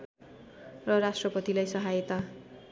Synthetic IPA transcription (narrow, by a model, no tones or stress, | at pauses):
rʌrasʈrʌpʌt̪ilajsʌɦajet̪a